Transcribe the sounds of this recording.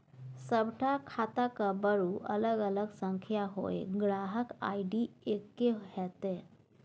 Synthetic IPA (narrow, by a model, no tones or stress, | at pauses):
səbʈʰakʰat̪akabəɾuːʔə̰ləɡələɡsəŋkʰjaɦo̰eɡɾaɦəka̰iɖiekːehɛt̪e